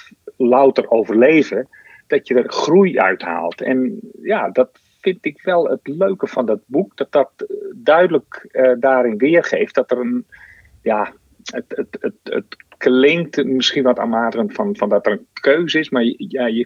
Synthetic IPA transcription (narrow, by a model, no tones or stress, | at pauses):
lawtərowvərleːvə | d̥ɔtjədərxrujœ̰ɥtha̰ːlˠtʰɛ̰njadɔt | fɪntɪkʋɛlˠətløɥkəfɔndɔt̚buk̚d̥ɔt̚d̥ɔt̚dœɥdələkədaːɾɪnʋɪːərχeːftd̥ɔtərən | ja | ətətətə̰tklɪŋktmɪsxinʋɔta̰ːmaːdəənfɔnfɔndɔtərənkʰøːzəɪsmarjjajə